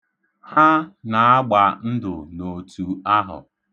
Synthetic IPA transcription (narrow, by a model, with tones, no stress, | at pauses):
ha˦na˨a˦ɡ͡ba˨n̩˦dʊ˨no˨tu˨a˦ɦʊ̰˨